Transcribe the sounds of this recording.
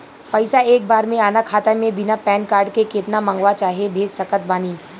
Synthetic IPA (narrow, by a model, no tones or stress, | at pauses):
pɐɪsaeːk̚baːɾmẽaːnakʰaːt̪amẽbɪnapɛ̃ːnkaːɾɖkekeːt̪namə̃ŋɡʋat͡ʃaːɦiebʱeːd͡ʒsɐkət̪̚baːniː